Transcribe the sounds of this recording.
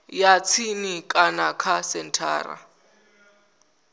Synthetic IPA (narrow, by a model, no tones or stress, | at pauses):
jat͡sʰinikʼanakʰasɛn̩tʰa̰ːra̰